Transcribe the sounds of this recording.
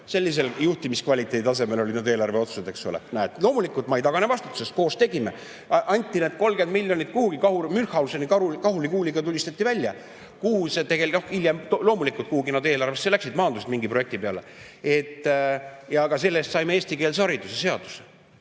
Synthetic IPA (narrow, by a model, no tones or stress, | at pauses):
se̞lːis̬e̞ljuht̪imiskvɑlʲit̪ːˑe̞d̪ɑs̬e̞me̞lo̞lid̪nɑd̪e̞ːlɑrve̞o̞t̪su̥sed̪e̞ksulḛnæet̪ːlo̞ːmulikːˑult̪ˑmɑejt̪ɑɡ̥ɑnevɑst̪ut̪ːu̥se̞st̪̚ko̞ːst̪e̞ɡime | ʔɑnʲt̪ʲːˑineːd̪̥ko̞lɡe̞nd̪̚milʲːjo̞nʲit̪̚kuhuɡ̥ikɑhuɾmynhˑɑulsenikɑukɑɦulikuːliɡɑt̪ulʲist̪ɑt̪ːˑivælʲːjɑ | kuhuset̪eɡelno̞hilʲjemt̪lo̞ːmulikult̪̚kuhuɡinɑd̪e̞ːlɑrvest̪ːelæksid̪mɑːnd̪uset̪miŋɡipro̞je̞k̚t̪ipe̞ɑ̰lḛ | e̞t̪ːˑ | jɑkɑs̬e̞lːest̪sɑjmeeːst̪ike̞ːlsɑɾid̪usese̞ɑd̪̥u̥se